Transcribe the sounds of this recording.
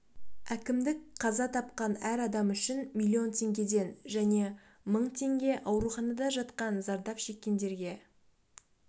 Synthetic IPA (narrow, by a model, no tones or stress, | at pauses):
ækʲɪmd̪ɪk̚qʰɑzɑt̪ʰɑp̚qɑnæɾɑd̪ɑmʏʃɪnmʲilʲːio̞nt̪ʰe̞ŋɡʲe̞d̪e̞nʒæne̞ | məɴt̪ʰe̞ŋɡʲe̞ʔɑwɾuχɑnɑd̪ɑʒɑt̪qɑnzɑɾd̪ɑpʃe̞kʲːe̞nd̪e̞ɾɡʲe̞